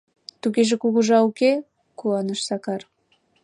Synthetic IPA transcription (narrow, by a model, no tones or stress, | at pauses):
t̪uɣeʒĕkuɣuʒɑuke | kuɑnəʃsɑkɑr